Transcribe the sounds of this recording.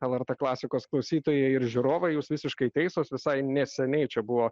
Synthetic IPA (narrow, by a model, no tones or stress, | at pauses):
ɛlˠɛɾt̪eːklˠɑːsʲɪkoːsklˠɐʊsʲiːt̪oːjeɪɾʒʲuɾoːʋɐɪjuːsʋʲɪsʲɪʃkɐɪt̪ʲɛɪsoːsʋʲɪsɐɪnʲɛsʲɛnʲɛɪt͡ʃʲɛbʊʋoː